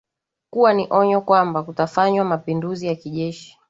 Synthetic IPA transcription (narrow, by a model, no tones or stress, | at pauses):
kuwaniʔɔɲɔkwambakutafaɲwamapinduzijakiʄɛʃi̥